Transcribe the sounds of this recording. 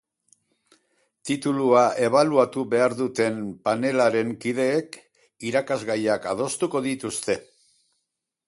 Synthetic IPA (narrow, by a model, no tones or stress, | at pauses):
t̪it̪uluaʔe̞β̞aluat̪uβe̞aɾðut̪e̞mpane̞laɾe̞ŋkið̞e̞ːk | iɾakazɣajakað̞o̞st̪uko̞ðit̪ust̪e̞